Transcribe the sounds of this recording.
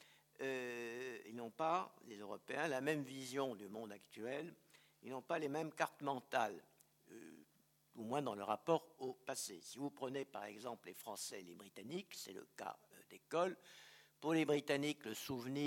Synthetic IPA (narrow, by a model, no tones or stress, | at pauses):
ø | ilnɔ̃palezøʁɔpeɛ̃lamɛmvizjɔ̃d̪ymɔ̃d̪akt̪yɛl | ilnɔ̃palemɛmkaʁt̪mɑ̃t̪al̰ | umwɛ̃d̪ɑ̃ləʁapɔʁopasḛsivupχənepaʁɛɡzɑ̃pllefχɑ̃sɛlebʁit̪aniksɛ̰lə̰ka̰d̪̥ekɔlpuʁlebʁit̪anikləsuvni